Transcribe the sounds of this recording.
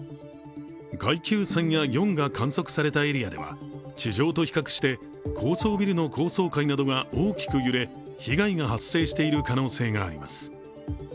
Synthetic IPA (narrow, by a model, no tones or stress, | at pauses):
ɡaikʲɨːsẽɰ̃jajõ̞ŋɡakʰãɰ̃so̞kɯ̟̥saɾe̞t̪ae̞ɾʲiad̪e̞̰βa̰t͡ɕiʑo̞ːt̪o̞çi̥kakɯ̟̥ɕi̥t̪e̞ | kʰo̞ːso̞ːbʲiɾɯ̟no̞kʰo̞ːso̞ːkainad̪o̞ɡao̞ːkʲi̥kɯ̟jɯ̟ɾe̞ | çiɡaiŋahasːe̞ːɕi̥t̪e̞iɾɯ̟kano̞ːse̞ːŋa̰ːɾʲḭma̰sɨ̥